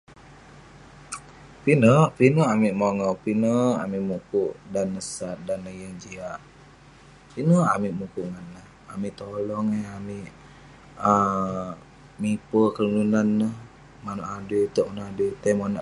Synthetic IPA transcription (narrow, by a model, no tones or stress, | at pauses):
pinəpinəamiʔmoŋɔpinəa̰miʔmukuʔdanːəsat̪̚danəjəŋd͡ʒiaʔ | pinəamiʔmukuʔŋanːəh | amiʔt̪olɔŋeamiʔ | ə | mipəkəlununanːəh | manoʔadet̪oʔmənadet̪amonaʔ